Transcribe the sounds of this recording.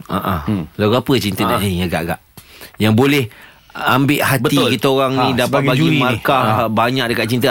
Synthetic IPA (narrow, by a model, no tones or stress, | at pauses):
aʔahlaɡuapət͡ʃint̪adaʔniaɡaʔɡaʔjaŋbolɛh | ambɪʔhatb̪ikit̪aoɾaŋnĩdapat̪baɡimãrkabaɲak̚dəkat̪̚t͡ʃint̪ə